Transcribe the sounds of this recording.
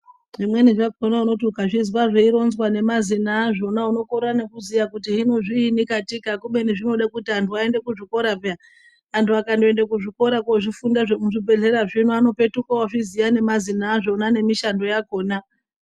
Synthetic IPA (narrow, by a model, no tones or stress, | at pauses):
ʐimwe̞niʐakonauno̞t̬ukaʐiziwaʐeiɾo̞nzwane̞mazinaːʐo̞nauno̞koɾane̞kuzijakutiɦinoʐiːnikatikakuɓe̞niʐino̞ɗakutiɦantʰuae̞nde̞kuʐiko̞ɾapa | antʰuakandoendek̬uʐiko̞ɾakoʐifundaʐemuʐibʱe̞ɮe̞ɾaʐin̤uano̞pe̞tukawaʐizijane̞mazinaːʐo̞nane̞miʃando̞jako̞ːna